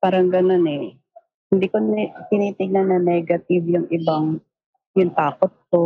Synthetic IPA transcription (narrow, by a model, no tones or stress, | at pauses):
paːɾɐŋɡɐno̞nɛ | hɪnd̪iːkonk̪ɪniːt̪ɪɡ̚nanːɐnɛɡɐt̪ivjʊŋʔɪbaŋ | jʊŋt̪aːkot̪̚ko